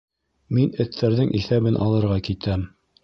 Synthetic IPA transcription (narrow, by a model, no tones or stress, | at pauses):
minɘ̆θːæɾðɘŋʔiθæβɘnʔɑ̰lˠɤ̆ɾʁɑkit̪æm